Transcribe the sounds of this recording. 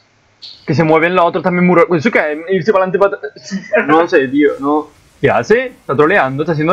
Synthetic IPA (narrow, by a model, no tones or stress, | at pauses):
kes̬emːwɔːvenlɔt̪ɾot̪amːimːuːɾasukɛisipalant̪̬ipat̪ | nɔsed̪iːonɔ | pja̰sest̪at̪ɾoleand̪ot̪as̬ind̪